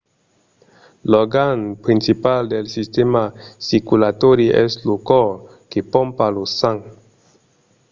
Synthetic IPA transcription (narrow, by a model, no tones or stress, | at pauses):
lɔɡanpɾint͡sipaldelsistemasikulatoɾiʔestlukɔ | kepɔmpalusaŋ